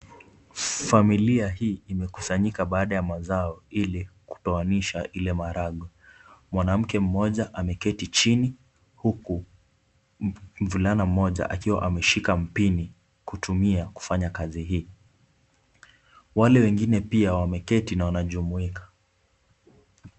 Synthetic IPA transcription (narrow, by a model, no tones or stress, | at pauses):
familiaɦiːimɛkusaɲikaɓaːɗajamazaɔiliku̥tawaniʃaʔilɛmaɾaɠɔ | mwanam̩kɛm̩mɔʄaʔamɛkɛtit͡ʃini | huku | m̩vulanam̩mɔʄa̰ʔa̰kiwa̰ʔamɛʃikam̩pini | kutʰumiaku̥faɲakaziɦiː | walɛwɛŋɡinɛpiawamɛkɛtinawanaʄumuikḁ